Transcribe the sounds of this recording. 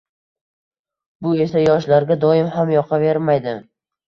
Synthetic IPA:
bʊe̞sajɒʃ̬laɾɡʲad̪ɒɪmhamjɒqʰɑve̞ɾmajd̪ɪ

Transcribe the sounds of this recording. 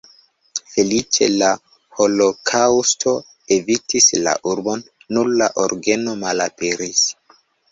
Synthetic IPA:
fe̞lit͡ʃe̞̰la | ho̞lo̞kʰawstʰo̞ | e̞vitisla̰ʔuɾbo̞nː | uɾlaʔoɾɡe̞no̞malapeɾis

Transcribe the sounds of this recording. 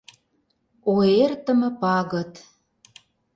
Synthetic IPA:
oert̪ə̆mə̆pɑɣət̪

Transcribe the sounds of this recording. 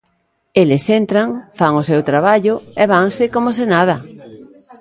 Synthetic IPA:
elɪsent̪ɾaŋfaŋosewt̪ɾaβaʎʊɛβ̞aŋsɪkomosenað̞ɐ

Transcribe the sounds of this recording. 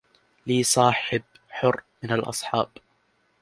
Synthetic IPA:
liːsˤɑːħɪb | ħʊrːmɪnalʔɑ̰sˤħɑːb

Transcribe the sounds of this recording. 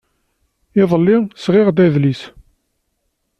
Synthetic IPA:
ɪðˤəlːɪsʁɪʁd̪æðlis

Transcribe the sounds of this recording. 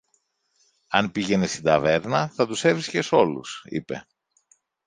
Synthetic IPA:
ɐnpiʝe̞nest̪id̪ɐve̞ɾnɐθɐt̪use̞vɾisce̞so̞lṵsḭpe̞

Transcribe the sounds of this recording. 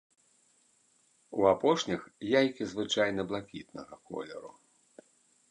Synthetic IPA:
uapɔʂnʲixjajkʲizvɨt͡ʂajnɐblˠakʲit̪̚nɐɣɐkɔ̰lʲɛ̰ɾu

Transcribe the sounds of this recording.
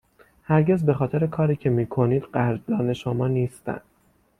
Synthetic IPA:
hæɾɟe̞zbe̞xɒːt̪ʰe̞ɾe̞kʰɒːɾiːcʰe̞miːkʰo̞niːd̪ɢæɾd̪ɒːne̞ʃomɒːniːst̪æ̰nd̪̥

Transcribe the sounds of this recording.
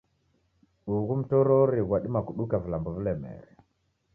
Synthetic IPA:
uɣum̩tɔɾɔɾiɣwaɗimakuɗukavilambɔvilɛmɛ̰ɾɛ

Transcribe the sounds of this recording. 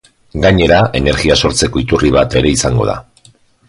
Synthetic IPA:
ɡaɲe̞ɾaʔe̞ne̞ɾɣiaso̞ɾt͡se̞ko̞it̪uriβ̞at̪e̞ɾe̞isaŋɡo̞̰ð̞a̰

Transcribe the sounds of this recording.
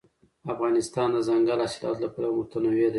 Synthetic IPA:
afɣɑnɪst̪ɑnd̪əzaŋɡalɑsilɑ̰t̪lapəɽamʊt̪anawed̪a

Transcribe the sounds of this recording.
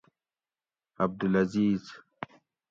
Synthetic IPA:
ɐb̚d̪ulɐziːz

